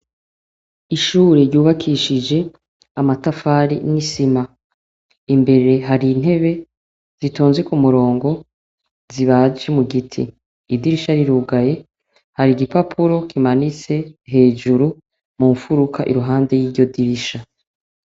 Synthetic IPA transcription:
iʃuːɾeɾɟuːβakʰiʃid͡ʒe̞ | amatafaːɾḭnisima | imbe̞ɾe̞ɦaɾin̥he̞βe̞ | z̥itʰoːnzwekumuɾo̞ːŋɡo̞ | ziβad͡ʒemuɡitʰḭː | diɾiʃaɾiɾuɡaje̞ | haɾiɡipapʰuɾo̞kʰimanit͡se̞ɦe̞ːd͡ʒuɾu | muːɱfuɾukʰaʔiɾuɦaːnde̞jiːɾɟo̞diɾiʃa

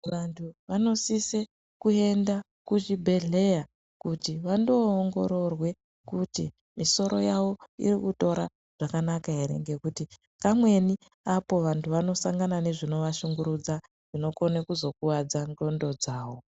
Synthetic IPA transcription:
ʋantʰuʋano̞sise | kue̞nda | kuʐibʱe̞ɮe̞ja | kutiʋando̞ːŋɡo̞ɾo̞rwe̞ | kutḭ | miso̞ɾo̞jaʋo̞ḭrikuto̞ɾa̰ | ʐ̥akanakaɦe̞ɾe̞̰ŋɡe̞kuti | kamwe̞ni | apo̞ʋantʰuʋano̞saŋɡanane̞ʐino̞ʋaʃuŋɡuɾud͡za | ʐ̥ino̞ko̞nekuzo̞kuwad͡zando̞ndo̞d͡zaːwo̞

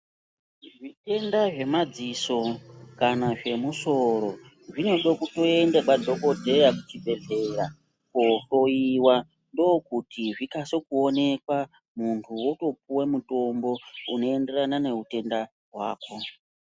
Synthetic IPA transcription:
ʐite̞ndaʐe̞mad͡ziso̞kanaʐe̞muso̞ɾo̞ | ʐino̞ɗokuto̞e̞ndekwadʱo̞ko̞dʱe̞jakut͡ʃibʱe̞ɮe̞ɾa | koto̞iwa | ndo̞ːkutiʐikaso̞kuone̞kwa | muntʰuwo̞to̞p̚uwemuto̞mbo̞ṵno̞ende̞ranane̞ɦute̞nda | ɦwa̰ːko̞

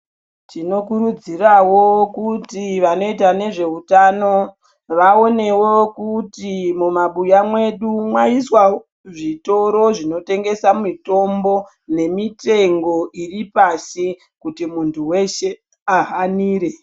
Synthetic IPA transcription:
tino̞kuɾud͡zirawo̞kutiʋano̞it̬ane̞ʐe̞utano̞ | ʋao̞ne̞wo̞kutimumaɓujamwe̞ɗumwaiswa | ʐito̞ɾo̞ʐino̞te̞ŋɡe̞samito̞mbo̞ | ne̞mite̞ŋɡo̞ʔiripasi | kutimuntʰuwe̞ʃe̞ | aɦaniːɾe̞

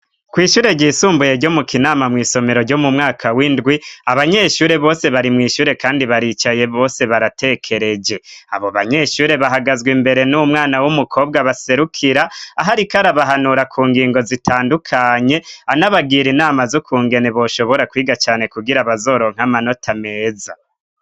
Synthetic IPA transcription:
kwiːʃuːɾe̞ɟiːsuːmbuje̞ɾɟomukʰinaːmamŋiːso̞me̞ɾo̞ɟo̞mumŋaːkʰawindɡwiaβaɲe̞ʃuːɾe̞βo̞ːse̞βaɾimŋiːʃuːɾe̞kaːndiβaɾit͡ʃaje̞βo̞ːse̞βaɾate̞ːkʰe̞ɾe̞d͡ʒe̞a̰βoβaɲe̞ʃuːɾe̞βaɦaɡazɡwimbe̞ɾe̞numŋaːnawumukʰo̞ːbɡaβase̞ɾukʰiɾaaɦaɾikaɾaβaɦanuɾakʰuːŋɡiːŋɡo̞zitʰaːndukʰaɲe̞anaβaɡiːɾinaːmazokʰuːŋɡe̞ne̞βo̞ːʃo̞βo̞ɾakwiːɡat͡ʃaːne̞kuɡiɾaβazo̞ːɾo̞ːŋ̥amano̞tʰame̞ːza

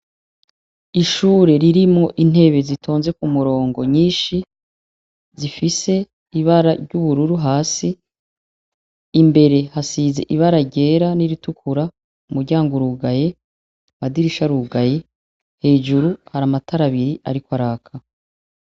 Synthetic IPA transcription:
iʃuːɾe̞ɾiɾimŋo̞ʔin̥he̞βe̞zitʰo̞ːnzekumuɾo̞ːŋɡo̞ɲiːʃi | zifise̞ | iβaɾaɾɟuβuɾuɾuɦaːsi | imbe̞ɾe̞hasiːze̞̰ʔiβaɾaɟe̞ːɾaniɾitukʰuɾa | umuɾɟaːŋɡuɾuɡaje̞ | madiɾiʃaɾuɡaje̞ | he̞ːd͡ʒuɾuhaɾamatʰaɾaβiɾiʔaɾikwaɾaːkʰa

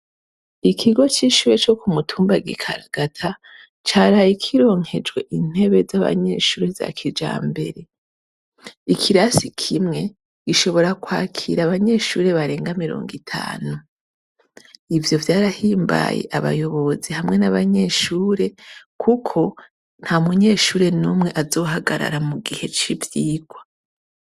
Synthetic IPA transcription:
ikʰiɡo̞t͡ʃiʃuːɾe̞t͡ʃo̞kumutʰuːmbaɡḭkʰa̰ɾaɡ̥atʰa | t͡ʃaːɾajikʰiɾo̞ːŋhe̞d͡ʒɡwe̞ʔin̥e̞βe̞zaβa̰ɲe̞̰ʃuːɾeza̰kʰid͡ʒa̰ːmbe̞̰ɾe̞ | ikʰiɾasikʰimŋe̞ | ɡ̥iʃo̞βo̞ɾakwaːkʰḭɾaβaɲe̞ʃuːɾe̞βaɾe̞ːŋɡamiɾo̞̰ːŋɡitʰa̰ːnu | ivjo̞vjaːɾahiːmba̰jḛʔaβa̰jo̞βo̞zihamŋe̞naβaɲe̞ʃuːɾe̞kʰukʰo̞ | n̥hamuɲe̞ːʃuːɾe̞numŋe̞ʔazo̞ːɦaɡaɾa̰ɾamuɡihe̞t͡ʃivjiːɡ̥wa

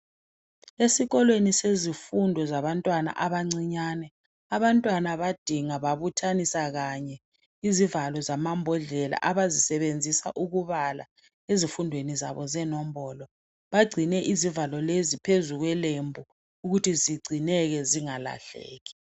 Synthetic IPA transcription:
esiɣɔlwenisezifundʱɔzaβantʼwana̰ʔaβaŋ͡ǀiɲanɛ | aβantʼwanaβad̥ʱiŋaβaβutʰanisaɣaɲɛ | izivalɔzamambʱɔɮɛla̰ʔaβazisɛβend͡zʱisa̰ʔuɣuβala̰ | ezifundʱweniza̰βɔzɛnɔm̩βɔlɔ | βaɡ͡ǀʱinɛʔizivalɔlezipʰezuɣwɛlembʱu | uɣutʰiziɡ͡ǀʱinɛɣɛziŋala̰ɬɛ̰ːɣɛ̥

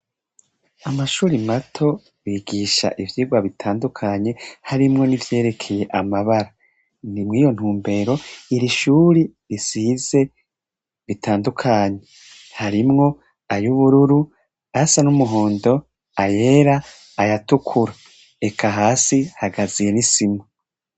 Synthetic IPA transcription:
amaʃuːɾimatʰo̞ | βiɡiʃa̰ʔivjiːɡwaβitʰaːndukʰaɲe̞haɾimŋo̞nivje̞ːɾe̞kʰe̞je̞ʔamaβaɾa | nimŋiːjo̞n̥uːmbe̞ːɾo̞iɾiʃuːɾiɾisiːze̞ | βitʰaːndukʰaːɲe̞e | haɾimŋo̞ | ajuβuɾuɾu | asanumuɦo̞ːndo̞ | aje̞ɾaː | jatukʰuɾa | e̞kʰaɦaːsihaɡazije̞nisimu

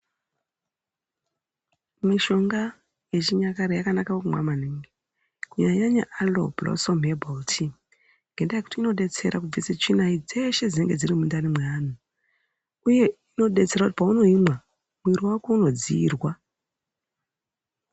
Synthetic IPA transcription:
miʃo̞ŋɡa | je̞t͡ʃiɲakaɾejakanakawkumwa̰maneːŋɡe | kuɲaɲaɲa̰ʔalo̰blo̰somɦebʱoltʰi | ŋɡe̞ndajeku̥tiːno̞ɗe̞t͡se̞̰ɾa̰kub͡viset͡ʃinaid͡ze̞ʃe̞d͡zineŋɡe̞d͡zirimundanimweaːn̤u | uje̞ino̞ɗe̞t͡seɾakuti̥pauno̞imwa | mwiɾiwakouno̞d͡ziːrwa

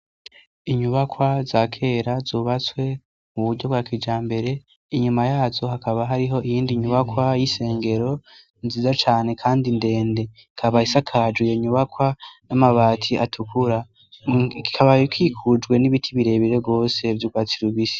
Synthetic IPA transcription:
iɲuβakwazakʰe̞ɾazuːβat͡swe̞ | muβuɾɟo̞bɡwaːkid͡ʒaːmbe̞ɾe̞ | iɲumajaːzo̞hakaβaɦaɾiɦo̞ʔijiːndiɲuβakwajise̞ːŋɡe̞ɾo̞ | nziːzat͡ʃaːne̞kʰaːndinde̞ːnde̞ | kʰaβahisakʰad͡ʒwijoɲuβakwanamaβaːtʰiʔatʰukʰuɾa | ki̥kʰaβajukʰikʰud͡ʒɡwe̞niβitʰiβiɾe̞βiɾe̞bɡo̞ːse̞vjuɡwaːt͡siɾuβisi̥

